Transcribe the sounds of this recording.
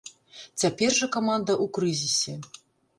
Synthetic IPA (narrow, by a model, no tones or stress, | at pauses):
t͡sʲapʲɛrʐɐkamand̪ɐʔukɾɨzʲisʲɛ